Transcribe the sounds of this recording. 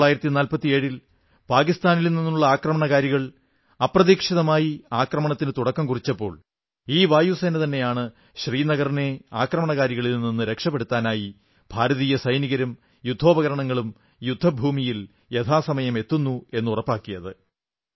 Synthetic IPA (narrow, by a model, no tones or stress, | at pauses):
aːjiɾɐt̪ːinaːlpɐt̪ːie̞ːɻil | paːkist̪aːnilninːuuɭːɐaːkrɐmɐɳɐɣaːɾjuɣɐɭ | ɐprɐðiːkʂiðɐmaːjiaːkrɐmɐɳɐt̪ːinɨt̪uɽɐkːɐmkurit͡ɕːɐpːo̞̰ːɭ | iːʋaːjuseːnɐt̪ɐnːe̞jaːɳɨ | ɕriːnɐɣɐrine̞aːkrɐmɐɳɐɣaːɾjiɣɐɭilninːɨɾe̞kʂɐpːeɽut̪ːaːnaːji | b̥ʱaːɾɐðiːjɐsɐjniɣɐɾum | jud̪ʱːo̞ːbɐɣɐɾɐɳɐŋːɐɭum | jud̪ʱːɐbʱuːmijil | e̞t̪ʰaːsɐmɐjɐme̞t̪ːunːue̞nːurɐpːaːkːijɐðɨ